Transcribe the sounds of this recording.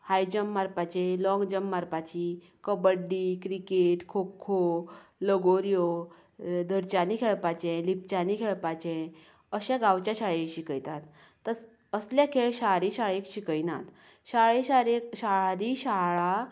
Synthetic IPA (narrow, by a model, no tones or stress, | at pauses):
hajd͡ʑəmːaɾpat͡ɕelɔ̃ŋɡd͡ʑəmːaɾpat͡ɕi | kəbəɖːiːkɾikeʈkʰokʰːoləɡoɾjo | d̪ʱəɾt͡ɕanikʰeɭpat͡ɕẽlip̚t͡ɕanikʰeɭpat͡ɕẽ | əɕaɡawt͡ɕaɕaɭeɕikəjt̪at̪ː | əs | əsljakʰeɭɕaɾiɕaɭekɕikəjna̰t̪ | ɕaɭeɕaɾekɕaɾiːɕaɭa